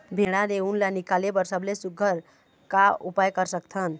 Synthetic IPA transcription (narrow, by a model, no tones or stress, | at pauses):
bʱeɽ̃aneunlanikalebəɾsəblesuɡʱəɾ | kaṵpajkəɾsək̚t̪ʰən